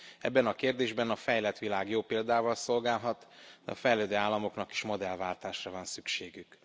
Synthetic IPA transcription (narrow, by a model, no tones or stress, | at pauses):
ɛ̰bːɛnɒkeːrd̪eːʒbɛnɒfɛjlɛt̪ʋilaːɡjoːpeːld̪aːvɒlso̞lɡaːlɦɒt̪d̪ɛ̰ɒ̰fɛjløːd̪øːaːlːɒmo̞knɒki̥ʃmo̞d̪ɛlvaːlt̪aːʃrɒvɒnsykʃeːɡyk